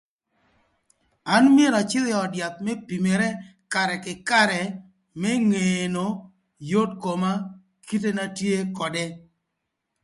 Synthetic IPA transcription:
a˦nmje˦ɾa˨t͡ʃɪ˦ljɔ˨ɔ˨dja˨t̪̚mɛ˦pi˨me˨ɾɛ˦ka˨ɾɛ˨kɪ˨ka˦ɾɛ˨ | mɛ˦ŋe˨no˨ | jo˦dko˨ma˦ | ki˦t̬e˦na˦tje˦kɔ˨dɛ˦

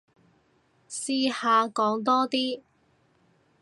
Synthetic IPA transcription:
siː˧haː˨˧kɔː˨˥ŋt̪ɔː˥t̪iː˥

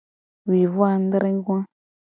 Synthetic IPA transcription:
wi˨vu˦a˨n˦dɾɪ̃˦ŋ˦ɡwã˦

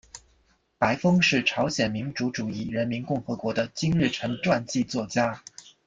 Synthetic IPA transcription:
pa˧˥ɪfɤ˥ŋʂɻ̩˥˩ʈ͡ʂʰɑ˧˥ʊɕjɛ˨˩nmi˧˥nʈ͡ʂu˧˥ʈ͡ʂu˨˩i˥˩ɻə˧˥nmi˧˥nkʊ˥˩ŋxɤ˧˥kwɔ˧˥d̪ə˧t͡ɕi˥ŋɻɻ̩˥˩ʈ͡ʂʰɤ˧˥ŋʈ͡ʂwa˥˧nt͡ɕi˥˧t͡swɔ˥˩t͡ɕja˥

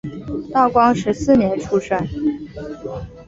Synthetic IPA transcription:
t̪ɑ˥˩ʊkwɑ˥ŋʂɻ̩˧˥sɹ̩˥˩njɛ˧˥nʈ͡ʂʰu˥ʂa˥˩n

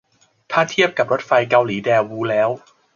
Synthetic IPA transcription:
t̪ʰaː˥˩t̪ʰi˥˩əp̚ka˨˩p̚ɾo˦˥t̪̚fa˧jka˧wliː˩˦dɛː˧wwuː˦˥lɛː˦˥w

